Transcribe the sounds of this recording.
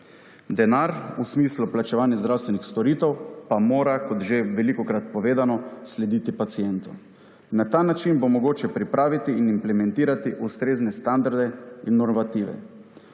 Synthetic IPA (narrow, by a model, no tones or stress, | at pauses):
d̪ɛnaɾusmiːsluplat͡ʃɛʋaːnjazd̪ɾawst̪ʋɛnixst̪ɔɾiːt̪ɛwpamoːɾakɔt̪ʒeʋɛlikɔkɾat̪̚pɔʋeːd̪anɔslɛd̪iːt̪ipat̪sijɛnt̪ɔ | nat̪aːnat͡ʃinbomɔɡoːt͡ʃɛpɾipɾaːʋit̪iːnimplɛmɛ̃nt̪iːɾat̪iʔust̪ɾeːznɛst̪and̪aɾd̪ɛinːɔɾʋat̪iːʋɛ̰